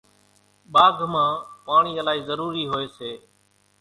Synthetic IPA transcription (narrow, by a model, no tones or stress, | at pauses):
ɓaːɡʱmãːpaːɳiːəlaːiːzəɾuːɾiːɦoːeːseː